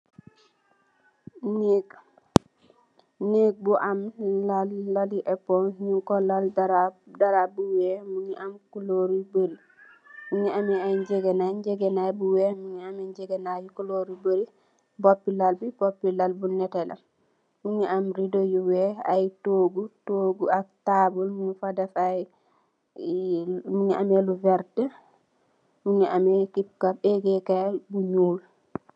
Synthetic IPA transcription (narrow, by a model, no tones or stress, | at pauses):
nek | nek̚buʔamlalːaliʔɛpɔŋɲuŋkɔlaldaɾadaɾabuwemuɲiʔamkuloɾubəɾi | muɲiamiajd͡ʒeɡenaɲd͡ʒeɡenajbuwemuɲiamiɲɟeɡenajukuloɾibəɾi | bɔpːilalbibɔpːilalbunɛtɛla̰m | muɲɛamɾidojuwɛa̰jtoɡutoːɡuak̚tabulmuɲɛfadafaj | muɲɛʔamɛluvɛɾtɛ | muɲɛʔamɛkip̚kapɛɡɛkabuɲuːl